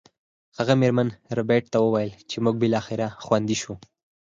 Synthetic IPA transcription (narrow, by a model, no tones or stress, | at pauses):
haɣameɾmanɾʊbeʈ̚t̪awəwajəlt͡ʃemuɡ̚bɪlɑxɪɾaxwand̪iʃu